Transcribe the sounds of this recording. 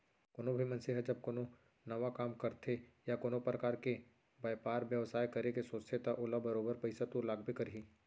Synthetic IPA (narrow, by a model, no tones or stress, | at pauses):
koːnõbʱimɐ̃nsiɦəd͡ʒɐb̚koːno | nɐʋakaːmkɐɾt̪ʰejakoːnopɾɐkaːɾke | bɐːjpaːɾʋjəʋsaːjkɐɾekesoːt͡ʃt̪ʰet̪aʔʊlabɐɾoːbəɾpɐɪsat̪uːɾlaːɡbʱikɐɾiː